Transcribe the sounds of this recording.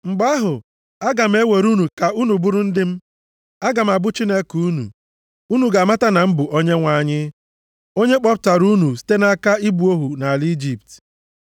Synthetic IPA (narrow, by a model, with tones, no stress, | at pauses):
ŋ͡m̩˨ɡ͡ba˦ɦʊ˨ | a˦ɡa˨m̩˦e˦we˨ɾu˦nu˨ka˨u˦nu˨bu˦ɾʊ˦n̩˦dɪ˦m̩˦ | a˦ɡa˨m̩˨a˨bʊ˦t͡ʃi˦ne˦kuu˦nṵ˨ | u˦nu˨ɡa˨ma˦ta˦na˨m̩˦bʊ˨ʔo˦ɲe˦ŋʷa˨ɲɪ˦ | o˦ɲe˦k͡pɔ˦p̚ta˨ɾu˦nu˨si̥˦te˦na˨a˦ka˦i˦bu˨o˦ɦu˨na˨li˦d͡ʒi˨p̚t